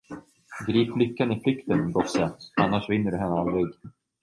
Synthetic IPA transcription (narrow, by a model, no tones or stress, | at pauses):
ɡɾiːplʏkːanɪflʏkt̪ənɡɔsːəanːaʂvɪnːəɾɦɛnːəald̪ɾɪɡ